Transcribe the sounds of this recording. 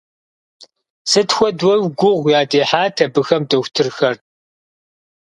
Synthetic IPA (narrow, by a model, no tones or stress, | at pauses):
sɨtxʷɔdwɐwɡʷʊʁʷjaːdeːħaːtʰɐbɨxɐmdɐxʷtʰɨrxɐr